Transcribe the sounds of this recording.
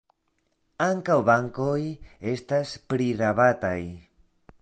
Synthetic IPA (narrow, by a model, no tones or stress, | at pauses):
aŋkawbaŋkoje̞staspɾiɾaβataj